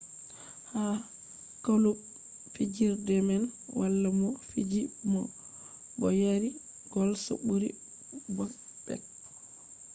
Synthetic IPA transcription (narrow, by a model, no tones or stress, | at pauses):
ha | kalub | fid͡ʒiɾdɛmɛlwʔalːamɔfid͡ʒimɔ | bɔjaɾi | ɡ̥ɔlsa̰buɾḭ | bɔnbɛ̰k̚